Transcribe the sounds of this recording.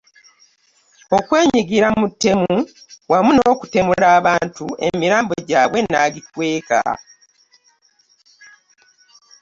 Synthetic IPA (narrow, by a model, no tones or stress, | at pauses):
o̞kwe̞ːɲiɡiɾamutːe̞muwamunoːku̥te̞mulaːβaːntue̞̰miɾaːmboɟaːβwe̞naɡikwe̞ːka̰